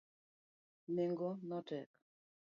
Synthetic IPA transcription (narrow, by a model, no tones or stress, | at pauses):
neŋɡɔnɔtɛk